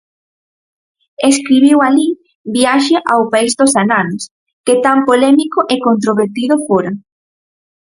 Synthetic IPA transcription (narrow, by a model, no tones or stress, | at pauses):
eskɾiβiwali | biaʃeʔawpaizd̪osananos | ket̪ampolɛmikoʔekont̪ɾoβeɾt̪iðʊfoɾa